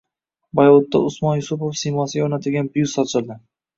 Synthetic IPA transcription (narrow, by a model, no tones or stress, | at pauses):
bajlˠot̪ːa̰ʊsmɒnjʊsʊpofsɪjmɒsɪɡʲaonat̪ʰɪlɡʲanbʊjusɒt͡ʃʰɪlˠd̪ɪ